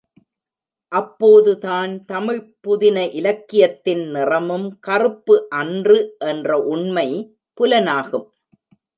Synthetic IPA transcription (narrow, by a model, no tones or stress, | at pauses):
ʔɐpːoːðɯðaːnt̪ɐmɪɭpːʊðɪnɐʔɪlɐkːɪjɐt̪ːɪnnɪrɐmɯmkɐrɯpːɯʔɐndrɯʔɛndrɐʔʊɳmɐɪ | pʊlɐnaːɣɯm